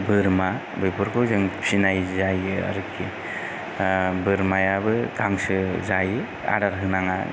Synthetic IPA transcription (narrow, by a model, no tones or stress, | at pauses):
bɯɾma | bɯjpʰɔɾkʰɯwzɯŋpʰinajzajɡɯa̰ɾɯkʰi | bɯɾmajabɯɡaŋsɯzaj | a̰ɾaɾɦɯnaŋa̰